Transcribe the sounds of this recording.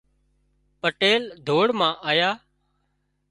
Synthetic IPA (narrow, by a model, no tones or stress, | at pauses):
pəʈeːld̪ʱoːɽmãːʔaːjaː